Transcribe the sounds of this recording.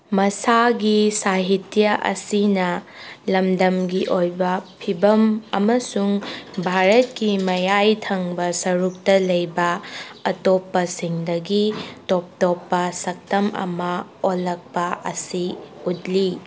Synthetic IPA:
mɐsaɡisaɦitjɐʔɐ̰sinɐ | lɐmdɐmɡiʔojbɐpʰibɐmɐ̰mɐsuŋbʱaɾɐt̚kimɐjajtʰɐŋbɐsɐɾuk̚tɐlɐjbɐɐtopːɐsiŋdɐɡitop̚topːɐsɐk̚tɐmɐ̰mɐolɐk̚pɐʔɐ̰siutli

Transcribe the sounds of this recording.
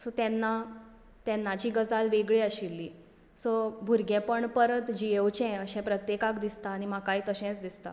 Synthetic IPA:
sɔt̪jɛnːa | t̪ɛnːat͡ɕiːɡəd͡zalʋeɡɭeəɕilːiː | səbʱuɾɡɛ̃pəɳpəɾət̪d͡ʑiewt͡ɕɛ̃əɕɛ̃pɾət̪jekakd̪ist̪aːñimakait̪əɕɛ̃t͡sd̪ist̪a̰

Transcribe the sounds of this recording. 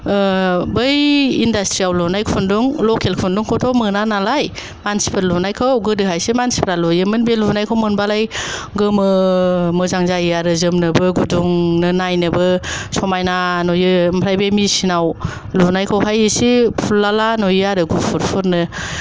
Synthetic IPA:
bɯjindastɾiawlɔnajkʰunduŋlokʰelkʰunduŋkʰotʰɔmɯnanalaj | mansi̥pʰɯlːɔnajkʰawɡɯdɯɦajsimansi̥pʰɾalujɯmɯnbelunajkʰawmɯnbalajɡɯmɯmɯzaŋzajaɾɯzɯmnɯbɯɡuduŋnɯnajnɯbɯsɔmajnanojɯmpʰɾajbemisinaw | lunajkʰawɦajɯsipʰulːalanojaɾɯɡupʰuɾpʰɯɾnɯ

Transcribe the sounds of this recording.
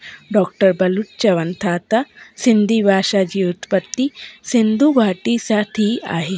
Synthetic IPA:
ɖɔːk̚ʈəɾbɐluʈt͡ʃɐʋɐnt̪ʰaːt̪asind̪ibaːʃad͡ʒiːut̪pɐt̪ːisind̪ʱubʱaːʈisaʈʰia̰ːɦe

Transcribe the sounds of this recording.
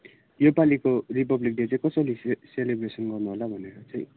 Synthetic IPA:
jopalikorip̬ʌblik̚ɖet͡saĩkʌsʌliselebresʌnɡʌrnuɦolabʱʌneɾʌt͡saj̃ĩ

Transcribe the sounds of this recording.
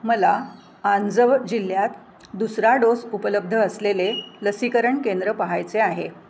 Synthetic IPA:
məla | and͡zəʋd͡ʑil̤ːjat̪ | d̪usɾaɖosupələb̚d̪ʱəːsleleləsikəɾəɳkend̪ɾəpaɦajt͡seaɦe

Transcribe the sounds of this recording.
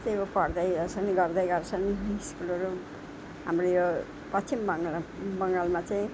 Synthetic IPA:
t̪eopʌrd̪ʌjʌt͡sʰʌniɡʌrd̪ʌjɡʌrt͡sʰʌniskulʌɾu | ɦa̰mrojo | pʌt͡st͡sʰimbbʌŋɡalmat͡saĩ

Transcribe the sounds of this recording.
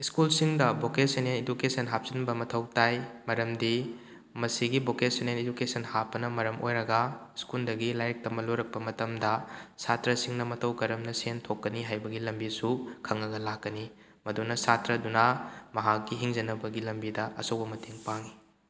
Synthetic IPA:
iskulsiŋdɐbokesenenedukesɐnɦap̚sinbɐmɐtʰɐwtajmɐɾɐmdi | mɐsiɡibokesenened͡ʒukesɐnhapːɐnɐmɐɾɐmʔojɾɐɡɐiskuldɐɡilajɐk̚tɐmɐloɾɐk̚pɐmɐtɐmdɐsatɾɐsiŋnɐmɐtʰɐwkɐɾɐmnɐsentʰokːɐniɦajbɐɡilɐmbisukʰɐŋːɐɡɐlakːɐni | mɐdonɐsatɾɐdunɐmɐɦakːiɦiŋzɐnɐbɐɡilɐmbidɐʔɐ̰sowbɐmɐtʰeŋpaŋi

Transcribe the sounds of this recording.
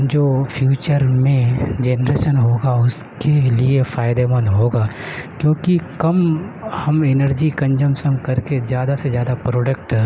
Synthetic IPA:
d͡ʒoːfʰjuːt͡ʃəɾmẽd͡ʒeːnɾeːʃənɦoːɡaʊs | keliefaːɪd̪emɐ̃nd̪ɦoːɡaː | kjõːkikɐmhɐmɪnəɾd͡ʒikɐ̃nd͡ʒəmsənkɐɾkezjaːd̪asezjaːd̪apɾoːɖək̚ʈ

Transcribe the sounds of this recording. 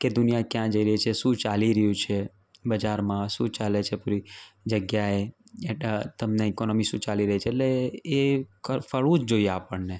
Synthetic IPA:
ked̪ʊnijakjãd͡ʒəiɾəɦit͡ʃʰeʃũt͡ʃaliɾəɦjũt͡ʃʰe | bəd͡ʒaɾmãʃũt͡ʃalet͡ʃʰepuɾid͡ʒəɡjaeet̪əmneɛkonɔmiʃũt͡ʃaliɾəɦit͡ʃʰeːleː | kəfəɭũd͡ʒd͡ʒoieapəɳne

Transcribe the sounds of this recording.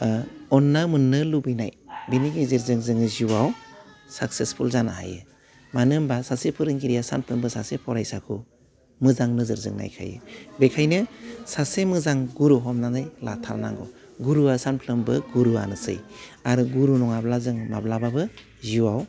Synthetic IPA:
ɔnːamɯnːɯlubijna̰jbiniɡiziɾzɯŋzɯŋɯziwaw | sak̚sespʰulzanaa̰jɯ̰ | manɯmbasasepʰɯɾɯŋɡiɾijasanpʰlɯmbɯsasepʰɔɾajsakʰu | mɯzaŋnɯzɯɾzɯ̰ŋna̰jkʰa̰jɯ̰bekʰajnɯsasemɯzaŋɡuɾuɦɔmnaŋɯjlatʰaɾna̰ŋɡɔ̰ | ɡuɾuasanpʰlɯmbɯɡuɾua̰nɯsɯ̰jaɾuɡuɾunɔŋablazɯŋmablababɯ | ziwaw

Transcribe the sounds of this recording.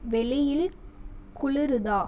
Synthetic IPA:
ʋɛɭɪjɪlkʊɭɪɾɯðaː

